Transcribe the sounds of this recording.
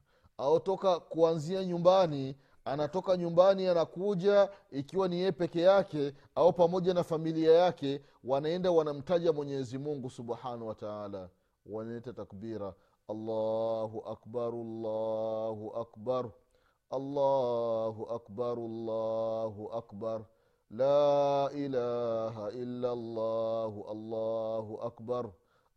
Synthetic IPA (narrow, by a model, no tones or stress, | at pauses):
aɔtɔkakuanziaɲumbani | anatɔkaɲumbanianakuʄaikiwanijɛpɛkɛjakɛ | aɔpamɔʄanafamiliajakɛ | wanaɛndawanam̩taʄamwɛɲɛzimuŋɡusuɓħanawataala | wanalɛtatakbiɾa | alːaɦuʔakbaɾlːahuʔakbaɾ | ɑlːaɦuʔakbaɾlːaɦuʔakbaɾ | laʔilaɦaʔilːalːahuʔalːahuʔakbaɾ